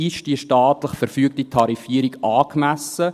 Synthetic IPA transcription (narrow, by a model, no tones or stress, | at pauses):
ɪʃd̥iəʃtɑːt̪ləχfɛɾfyək̚tit̪ʰɑɾifiːəɾiɡɑːkmæsə